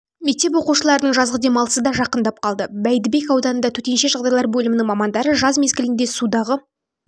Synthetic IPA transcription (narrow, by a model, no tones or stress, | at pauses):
me̞k̚t̪e̞p̬wo̞quʃəlˠɑɾənəɴʒɑzʁəd̪e̞mɑlˠəsəd̪ɑʒɑqənd̪ɑp̚qʰɑlˠd̪əbæjd̪ɪbe̞kɑwd̪ɑnənd̪ɑt̪ʰɵt̪e̞nʃe̞ʒɑʁd̪ɑjlˠɑɾbɵlɪmɪnɪŋmɑmɑnd̪ɑɾəʒɑzme̞zɡʲɪlɪnd̪e̞sud̪ɑʁə